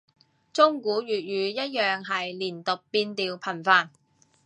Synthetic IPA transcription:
t͡sʊ˥ŋkuː˨˥ɥyː˨t̚ɥyː˨˧jɐ˥t̚jœː˨ŋɦɐ˨jliː˨˩nt̪ʊ˨k̚piː˧nt̪iː˨wpʰɐ˨˩nfaː˨˧n

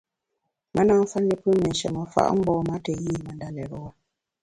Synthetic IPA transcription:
mə˦na˦ŋ˦fa˦ndi˦pɨ˦mɛ˨n˨ʃɛ̰˨mə˨fa̰˦ʔŋ͡m̩˦ɡ͡bɔː˦ma˦tɛ˨ji˦˨mə˨nda˨lɛ˨ɾə˨wa˦

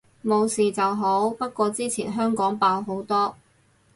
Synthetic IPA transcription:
mo˨˧wsiː˨t͡sɐ˨wɦo˨˥wpɐ˥t̚kʷɔː˧t͡siː˥t͡sʰiː˨˩nɦœː˥ŋkɔː˨˥ŋpaː˧wɦo˨˥wt̪ɔː˥

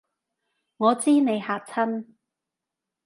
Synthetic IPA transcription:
ŋɔː˨˧t͡siː˥ne˨˧jhaː˨˧k̚t͡sʰɐ˥n

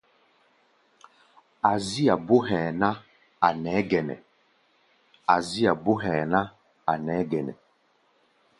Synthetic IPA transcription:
a˨zi˦a˨bo˦ɦɛ̃ː˨na˦ | a˨nɛ˨˦ɡɛ˨nɛ̰˨ | a˨zi˦a˨bo˦ɦɛː˨na˦ | a˨nɛ˨˦ɡɛ˨nɛ̰˨

